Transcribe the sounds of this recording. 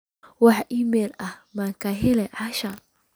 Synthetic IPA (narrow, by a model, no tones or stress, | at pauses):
wɑħʔiːmɛːlɐhmaŋkʰɐɦɪlɛʕɑʃa